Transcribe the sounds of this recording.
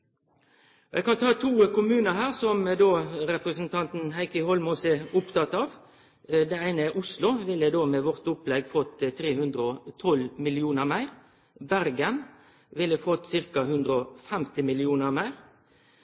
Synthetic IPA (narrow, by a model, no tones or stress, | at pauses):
ɛɡkɑnt̪ʰɑːt̪ʰuːkʊmʉːnəhæːʁsɔmd̪oːɾɛpɾəsnt̪ʰɑnt̪n̩hæɪkəhɔlmɔsəʊpt̪ɑt̪ɑːʋ | d̪ɛæɪnəʔʊslʊʋɪlːəd̪oːmeːʋɔʁt̪ʊplɛɡfɔt̪ːt̪ʰːɾeːhʉnd̪ʁəɔt̪ʰɔlmɪlɪuːnəmæɪʁ | bæʁɡən | ʋɪlːəfɔt̪ːsɪʁkɑhʉnd̪ɾʁəɔfɛmt̪ɪmɪlɪuːnəʁmæɪʁ